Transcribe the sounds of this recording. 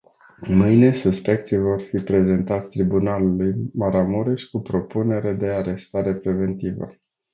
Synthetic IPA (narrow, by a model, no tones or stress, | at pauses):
mɨjne̞suspe̞k̚t̪sijvo̞rfipɾe̞ze̞nt̪at̪sʲt̪ɾibunalulujmaɾamuɾeʃkupɾo̞pune̞ɾe̞d̪e̞aɾe̞st̪aɾe̞pɾe̞ve̞nt̪ivə̰